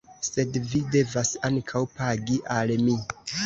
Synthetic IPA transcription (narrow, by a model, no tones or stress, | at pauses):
se̞dvide̞vasaŋkʰawpaɡiʔalmi